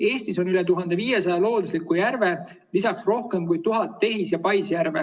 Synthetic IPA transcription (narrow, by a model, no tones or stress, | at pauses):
e̞ːst̪iso̞nylɛt̪uɦɑnd̪e̞viːje̞sɑjɑlo̞ːd̪uslikːˑujærve̞ | lisɑksro̞hke̞mkujt̪uɦɑt̪ːe̞ɦisjɑpɑjsjæɾve̞